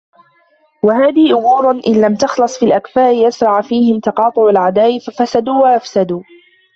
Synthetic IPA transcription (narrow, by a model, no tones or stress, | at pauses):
waɦaːðɪhʔʊmuːɾˤnʔɪnlamt̪ɑxlɑsˤfiːlʔakfaːʔɪjasɾˤɑʕfiːhɪmt̪ɑqɑːt̪ˤʊʕalʕad̪aːʔɪfafasad̪uːwaʔafsad̪uː